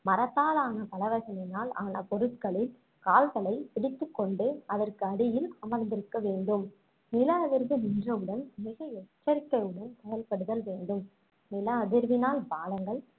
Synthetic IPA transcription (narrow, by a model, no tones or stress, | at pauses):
mɐɾɐt̪ːaːlaːnɐpɐlɐʋɐsɐnɪnaːla̰ːnɐpɔɾɯt̪kɐɭɪl | kaːltɐlɐɪpɪɽɪt̪ːɯkːɔɳɖɯɐðɐrkɯɐɽɪjɪlɐmɐɾnd̪ɪɾɯkːɐʋeːɳɖɯm | nɪlɐɐðɪɾʋɯnɪndrɐʋɯɽɐnmɪɣɐɛt͡ʃːɐɾɪkːɐɪɯɽɐnt̪ɐjɐlpɐɽɯðɐlʋeːɳɖɯm | nɪlɐːðɪɾʋɪnaːlpaːlɐŋɡɐɭ